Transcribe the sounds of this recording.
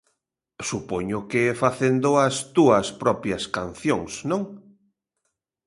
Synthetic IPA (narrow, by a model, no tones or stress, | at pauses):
supoɲʊkɪɛfaθend̪ʊɐst̪uɐspɾɔpjɐskan̟θjoŋsnõŋ